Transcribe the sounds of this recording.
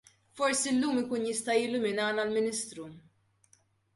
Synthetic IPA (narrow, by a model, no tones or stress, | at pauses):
fɔɾsiɪlːuːmɪkuːnjɪst̪ɐjɪlːʊmɪnɐːnɐlmɪnɪst̪ɾu